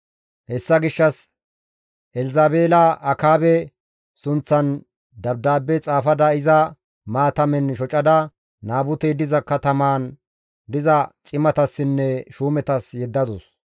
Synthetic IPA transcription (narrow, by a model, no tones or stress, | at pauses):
hɛsːɐɡɪʃːɐs | ʔɛlɪzaːbeːlɐʔɐkaːbɛ | sʊnt͡sːɐn | d̪ɐbd̪aːbːɛt͡sʼaːfɐd̪ɐɪzɐ | maːt̪ɐmɛnʃɔt͡ʃʼɐd̪ɐː | aːbʊt̪ɛd̪ɪzɐkɐt̪ɐmaːn | d̪ɪzɐt͡ʃʼɪmɐt̪ɐsːɪnːɛʃuːmɛt̪ɐsjɛd̪ːɐd̪ɔs